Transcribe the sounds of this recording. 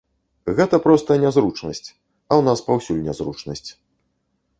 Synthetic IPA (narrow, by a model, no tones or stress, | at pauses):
ɣɛt̪ɐpɾɔst̪ɐnʲazɾut͡ʂnɐsʲt͡sʲ | ɐwnaspawsʲulʲnʲazɾut͡ʂnɐsʲt͡sʲ